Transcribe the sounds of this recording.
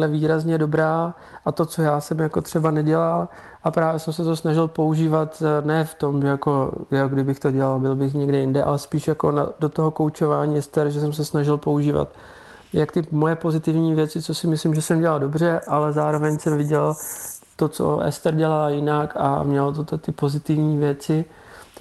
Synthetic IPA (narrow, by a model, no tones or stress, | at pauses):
lɛviːɾazɲɛdo̞bɾaː | ʔat̪o̞t͡so̞jaːsɛmjako̞t̪r̝̥ɛbanɛɟɛlal | ʔapɾaːvjɛsɛmsɛt̪osnaʒɪlpo̞uʒiːvat̪nɛːft̪o̞mʒɛjako̞joɡdɪbɪxt̪o̞ɟɛlalbɪlbɪxɲɛɡdɛjɪndɛʔa̰lɛspiːʃjako̞̰na̰dot̪oɦoko̞wt͡ʃo̞vaːɲiːɛst̪ɛɾʒɛs̬ɛms̬ɛsnaʒɪlpo̞uʒiːva̰t̪ | jakt̪ɪmojɛpo̞zɪt̪ɪvɲiːvjɛt͡sɪt͡sosɪmɪslɪmʒɛsɛmɟɛlaldo̞br̝ɛʔalɛzaːɾovɛɲsɛmvɪɟɛl | t̪ot͡so̰ʔɛ̰st̪ɛɾɟɛlaljɪnaka̰mɲɛlt̪ot̪t̪ɪpo̞zɪt̪ɪvɲiːvjɛt͡sɪ